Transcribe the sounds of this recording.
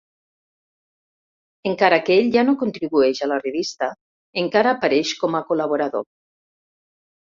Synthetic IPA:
eŋkaɾakeeʎʲʒanokont̪ɾiβueʃalareβist̪a | eŋkaɾaːpaɾeʃkomakolaβoɾaðo̰

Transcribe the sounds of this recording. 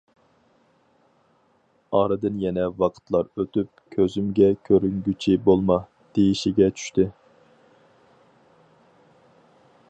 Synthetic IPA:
ɑɾɨd̪ɨnjɛnɛwɑqʰə̥t̪lˠɑɾøt̪yp̚kʲʰøzymɡʲɛkʲʰøɾyŋɡʲyt͡ʃʰibolˠmɑ | d̪̥ejiʃiɡʲɛt͡ʃʰy̥ʃt̪ɪ

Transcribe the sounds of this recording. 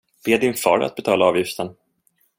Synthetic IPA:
b̥eːd̪ɪnfɑ̰ːɾa̰t̪̚bɛt̪ʰɑːlaɑːvjɪft̪ən

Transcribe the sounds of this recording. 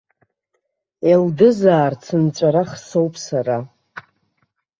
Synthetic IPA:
eldɨzaːrt͡sʰɨnt͡ʃʷʼaɾaχso̞wpʼsaɾa

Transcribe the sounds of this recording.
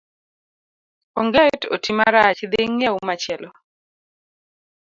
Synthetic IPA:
oŋɡɛto̰timaɾat͡ʃɪd̪ɪŋjaumat͡ʃɛlɔ

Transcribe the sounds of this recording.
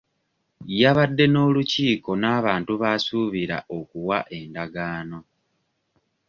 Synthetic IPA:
jaβadːe̞no̞ːluciːko̞naːβaːntuβaːsuβiɾa̰ʔo̞kuwaʔe̞ndaɡaːno̞

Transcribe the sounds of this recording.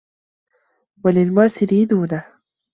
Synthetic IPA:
walɪlmaːsɪliːd̪uːnah

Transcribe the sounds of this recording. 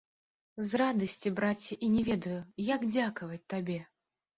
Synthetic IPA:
zrad̪ɐsʲt͡sʲibɾat͡sʲːiʔinʲɛvʲɛd̪ɐjujaɡd͡zʲakɐvɐt͡sʲt̪abʲɛ

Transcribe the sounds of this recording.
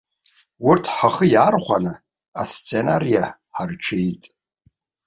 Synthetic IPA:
wʊrtʰħaχəjaːrχʷanɨ | ast͡sʰʼe̞narija | ħarʈ͡ʂʰejtʼ

